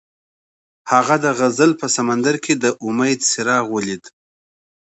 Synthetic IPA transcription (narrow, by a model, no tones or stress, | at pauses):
haɣad̪əɣazəlpəsamand̪aɾkʰed̪əʔʊmajd̪sɪɾɑɣwəlid̪